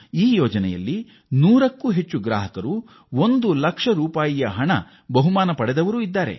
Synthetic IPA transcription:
iːjɔːd͡ʒɐnɛjɐ̰lːi | nuːɾɐkːuːɦet͡ʃːuɡɾa̰ːɦɐkɐɾu | ond̪ulɐkʂɐɾuːpaːjijɐɦɐɳɐ̰ | bɐɦumaːnɐpɐɽɛd̪ɐʋɐɾuːid̪ːaːɾe̞̰

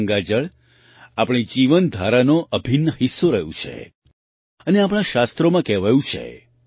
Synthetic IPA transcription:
ŋɡad͡ʒəɭ | apɽ̃id͡ʒiʋənd̪ʱaɾanoʔəbʱinːəɦisːoɾəɦjṵ̃t͡ʃʰḛ | əneap̬ɽ̃aʃast̪ɾomãkɛʋajũt͡ʃʰḛ

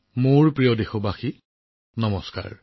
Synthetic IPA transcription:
muɹpɹijɔdexɔbaxi | nɔmɔska̰ɹ

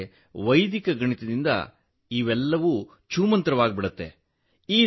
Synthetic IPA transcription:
ʋɐjd̪ikɐɡɐɳit̪ed̪ind̪ɐ̰ | iːʋɛlːɐʋu | t͡ʃuːmɐnt̪ɾɐʋaːɡ̚biɽɐt̪ːe̞̰ | iː

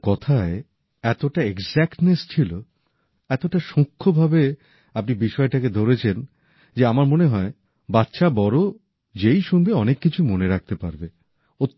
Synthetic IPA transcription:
kɔt̪ʰae | ɛt̪oʈaeɡd͡ʑɛkʈnest͡ɕʰilo | ɛt̪oʈaʃũkʰːobʱabe | apnibiʃɔeʈaked̪ʱoɾet͡ɕʰen | d͡ʑeamaɾmoneɦɔe | batːʃʰabɔɾo | d͡ʑejʃunbeɔnekːit͡ɕʰumoneɾak̚t̪epaɾbe | o

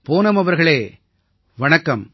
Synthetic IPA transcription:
poːnɐmɐʋɐɾɣɐɭeː | ʋɐɳɐkːɐm

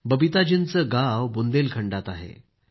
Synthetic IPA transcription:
bəbit̪ad͡ʑint͡səɡawbund̪elkʰəɳɖat̪aɦḛ

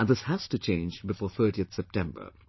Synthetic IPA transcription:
ə̃nðɪshæstɨt͡ʃʰẽɪ̃nd͡ʒbɨfɔːθɜ˞ɾiɨθsɛp̚tʰɛ̃mbə̰˞

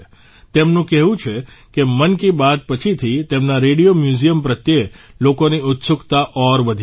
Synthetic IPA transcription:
t̪emnũkɛɦʋũt͡ʃʰekemənkibat̪̚pət͡ʃʰit̪ʰit̪emnaɾeɽijomjuzijəmpɾət̪jelokoniʊt̪sʊkt̪aʔɔɾʋəd̪ʱ

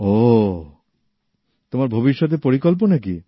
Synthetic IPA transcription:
o | t̪omaɾbʱobiʃːɔt̪̬epoɾikɔlp̬onakḭ

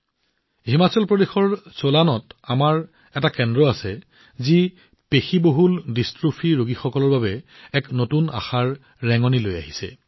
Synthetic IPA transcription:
himasɔlpɹodexɔɹsolanɔtamaɹ | ɛtakɛndɹɔasɛ | zi | pexiboɦuldistɹupʰiɹoɡixɔkɔlɔɹbabɛɛknotuna̰xaɹː | ɛŋɔniloja̰ɦisɛ̰

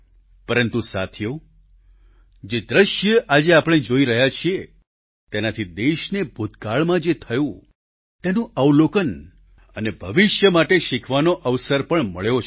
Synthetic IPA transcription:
pəɾənt̪usa̰t̪ʰjo | d͡ʒed̪ɾəʃjəʔad͡ʒeapəɽ̃ed͡ʒoiɾəɦjat͡ʃʰie | t̪enat̪ʰid̪eʃnebʱud̪ʱɡaɭmãd͡ʒet̪ʰəjũ | t̪enũʔəwlokən | ənebʱəʋɪʃjəmaʈeʃikʰʋanoʔəʋsəɾpəɳməɭjot͡ʃʰ

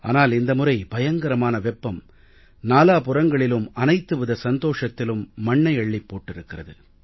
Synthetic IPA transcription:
a̰ːnaːlɪnd̪ɐmʊrɐɪbɐjɐŋɡɐɾɐmaːnɐʋɛpːɐm | naːlaːpʊrɐŋɡɐɭɪlɯmɐnɐɪt̪ːɯʋɯðɐsɐnd̪oːʂɐt̪ːɪlɯmːɐɳːɐɪɐɭːɪpːoːʈːɪɾɯkːɪrɐðɯ

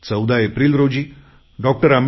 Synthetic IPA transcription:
t͡səwd̪ʱaepɾiːlɾod͡ʑiː | ɖɔk̚ʈəɾam

